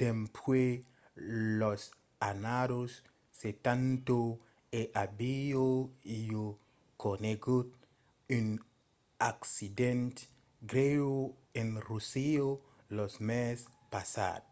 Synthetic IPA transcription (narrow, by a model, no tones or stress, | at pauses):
tempʰwe | los | anaɾosː | et̪ant̪o | eʔabijoijo | kʰoneɡut̚ | in | aksident | ɡɾewo | enrusio | losmes | pasa̰d̚